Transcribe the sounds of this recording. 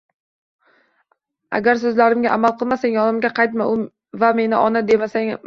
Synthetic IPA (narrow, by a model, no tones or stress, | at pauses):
a̰ɡʲaɾs̬ɵzlaɾɪmɡʲaʔamalˠqɨlˠmasaŋʲjɒnɪmɡʲaqʰɑjt̪̬maʊ | vame̞nɪʔɒnad̪e̞masaŋ